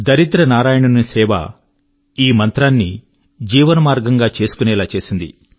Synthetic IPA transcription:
d̪ɐɾit̪ɾɐnaːɾaːjɐɳɐnunsɛːʋa̰ | iːmɐnt̪ɾaːnːi | d͡ʒiːʋɐnɐmaːɾɡɐŋɡaːt͡ʃe̞ːsu̥kunɛːlaːt͡ʃe̞ːsind̪ḭ

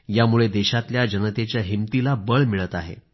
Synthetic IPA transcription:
jamuɭed̪eɕat̪ljad͡ʑənət̪et͡ɕjaɦimt̪ilabəɭmiɭət̪aɦḛ

